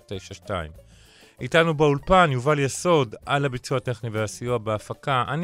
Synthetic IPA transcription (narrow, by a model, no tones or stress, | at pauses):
tejʃaʃta̰ḭm | itanubeulpanjuvaljeso̞dʔalabit͡suate̞χniveasijoabeafakaʔa̰n